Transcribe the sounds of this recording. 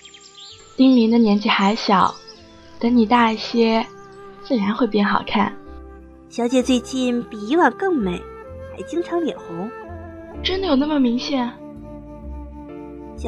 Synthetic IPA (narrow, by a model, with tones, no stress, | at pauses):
t̪i˥ŋli˧˥d̪ə˧njɛ˧˥nt͡ɕi˥˩xa˧˥ɪɕjɑ˨˩˦ʊ | t̪ə˧˥ŋni˨˩t̪a˥˧i˥˩ɕjɛ˥t͡sɹ̩˥˩ɻa˧˥nxwe˥˧pjɛ˥˩nxɑ̰˨˩ʊkʰa̰˥˩n | ɕjɑ˧˥ʊt͡ɕjɛ˨˩t͡swe˥˧ɪt͡ɕi˥˩npi˨˩i˧˥wa˨˩nkɤ˥˩ŋme˨˩˦ɪ | xa˧˥ɪt͡ɕi˥ŋʈ͡ʂʰɑ˧˥ŋljɛ˨˩nxʊ˧˥ŋ | ʈ͡ʂə˥nd̪ə˨jo˨˩ʊna˥˩mə˩mi˧˥ŋɕjɛ˨˩˦n